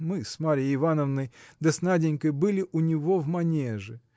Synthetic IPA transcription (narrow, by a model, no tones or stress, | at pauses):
mɨsmaɾʲɪjəɪvanəvnəjd̪ɐsnadʲɪnʲkəjbɨlʲɪʔʊnʲɪvo̞vmɐnʲeʐɨ